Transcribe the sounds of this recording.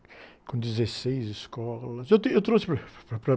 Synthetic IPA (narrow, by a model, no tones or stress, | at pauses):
kõd̪izɐsejziʃkɔlˠɐzewt̪iewt̪ɾospɾɐpɾɐpɾɐ